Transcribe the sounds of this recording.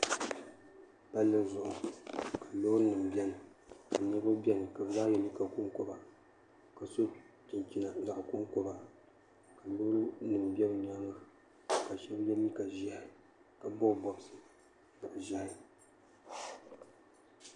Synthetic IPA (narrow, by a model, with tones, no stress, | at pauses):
ba˦lːɨ˦˨zʊ˨ʔʊ˨ka˨loː˦ɾɨ˦nɨ˨m˨bɛ˦nɨ˨ | ka˨ɲɛ˦ba˦bɛ˦nɨ˨ka˨bɨ˨za˦jɛ˨li˦ka˨ku˦ŋko˦ba˨ | ka˨so˦ | ti˨nki˦na˨za˨ʔku˦ŋko˦ba˨ | ka˨loː˦ɾɨ˦nɨ˨m˨bɛ˦bɨ˨ɲa˦ŋɨ˦˨ | ka˨ʃɛ˦bjɛ˦mi˦ka˨ʒa˦h | ka˨bɔ˦˨bɔ˨bsɨ˨ | ba˨ʔʒa˦h